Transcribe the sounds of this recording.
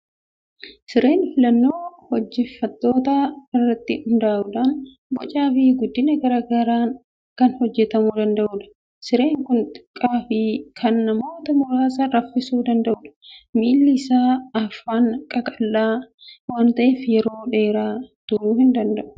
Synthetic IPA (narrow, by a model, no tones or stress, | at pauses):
sɪɾe̞ːnfɪlɐnːo̞ːhɔd͡ʒːɛfːɐt̪ːo̞ːt̪aɪrːɐt̪ːɪhʊnd̪aːʔʊᶑ̪an | bɔ̰t͡ʃʼaːfɪɡʊd̪ːɪnɐɡɐɾɐɡaːɾaːn | kɐnhɔd͡ʒːɛt̪ɐmuːd̪ɐnd̪ɐʔʊᶑɐ̥ | sɪɾe̞ːŋkʊnt̪ʼɪ̥kʼːaːfɪkʰɐnːɐmo̞ːt̪ɐmʊɾaːsɐɾɐfːɪsuːd̪ɐnd̪ɐʔʊᶑɐ̥miːlːɪsaːɐfːaːŋkʼɐkʼɐlːaːwaːnt̪ɐʔeːfjɛɾo̞ːᶑe̞ːɾaːt̪ʊɾuːhɪnd̪ɐnd̪ɐʔʊ̥